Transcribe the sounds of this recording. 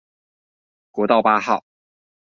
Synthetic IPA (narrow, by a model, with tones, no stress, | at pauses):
kwɔ˧˥t̪ɑ˥˩ʊpa˥xɑ˥˩ʊ